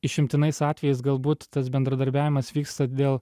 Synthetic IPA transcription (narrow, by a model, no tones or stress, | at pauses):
ɪʃʲɪmʲt̪ʲɪnɐɪsɑːt̪ʲʋʲɛjɛɪsɡɐlˠbuːt̪ːɐs̬bʲɛnd̪ɾɐd̪ɐɾʲbʲæːʋʲɪmɐsʋʲiːkst̪ɐd̪ʲeːlˠ